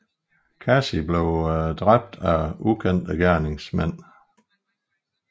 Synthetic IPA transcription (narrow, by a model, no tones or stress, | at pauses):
kʰæsib̥leʊd̥ʁab̥̚d̥æukʰen̰d̥əɡ̥æɐne̝ŋsmæn̰